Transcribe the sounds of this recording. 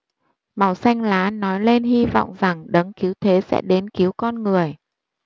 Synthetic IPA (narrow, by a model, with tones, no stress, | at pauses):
ma˨˩wsa˧jŋ̟laː˨˦nɔ˨˦jle˧nɦi˧vɔ̰˧˨wŋ͡mza˨˩ŋɗə˨˦ŋki˨˦wt̪ʰe˨˦sɛ̰˧˥ɗe˨˦nki˨˦əwkɔ˧nŋɨ˨˩əj